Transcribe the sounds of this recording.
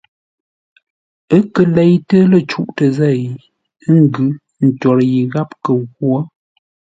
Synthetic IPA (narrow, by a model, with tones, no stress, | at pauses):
ə˦kə˨le˦jtə˦lə˦˨t͡ʃu˦ʔtə˨zɛ˦˨˦ | ŋ˨ɡʉ˨˦ | n̩˨t͡ʃɔ˨ɾji˨ɣa˦p̚kə˨ɣwo˦